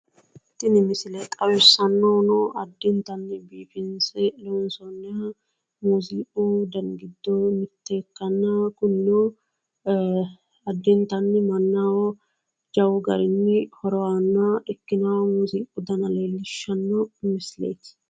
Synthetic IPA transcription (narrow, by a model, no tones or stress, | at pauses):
ɪt̪ːɪnɪmɪsɪlɛt̪ʼɐwɪsːɐnːɔːnɔʔɐd̪ːɪnt̪ɐnːɪbiːfɪnsɛlɛwʊnsɔnːɪja | muziːʔud̪ɐŋɡɪd̪ːɔnʊt̪ːeːkːɐnːɐkʊnːɔ | ɐd̪ːɪnt̪ɐnːɪmɐnːaːwɔ | d͡ʒɐwʊɡɐɾɪnːɪhɔɾɔwaːnːɐɪkːɪnamuziːʔʊd̪ɐnɐleːlːɪʃːɐnːɔmɪslḛːt̪